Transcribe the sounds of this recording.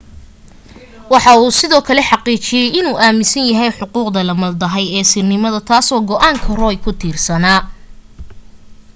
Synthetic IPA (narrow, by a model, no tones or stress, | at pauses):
wɑħɑuːsɪðɔːkʰɐlɛħɑqiːt͡ʃɪjɛjɪnuːʔaːmɪsɐnjɐɦɛjħʊquːqd̪ɐlɐmɐld̪ɐɦɛjɛːsɪrnɪmɐðɐt̪ʰaːsɔːɡɔʔaːŋkʰɐrɔjkʰʊt̪ʰiːrsɐnaː